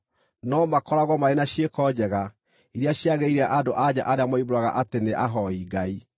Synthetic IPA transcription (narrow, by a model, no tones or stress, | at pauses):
nɔmakɔɾaɣwɔmaɾenaɕjiekɔd͡ʑɛɣa | iɾaɕjaɣeiɾeaʔadoʔad͡ʑa̰ʔaɾeamɔiβoɾaɣa̰ʔateneʔaɦɔiɡai